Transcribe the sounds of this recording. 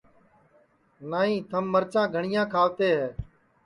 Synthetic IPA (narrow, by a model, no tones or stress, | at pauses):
naːĩːt̪ʰəmːəɾt͡ʃãːɡʱəɳɪjãːkʰaːʋt̪eːɦɛː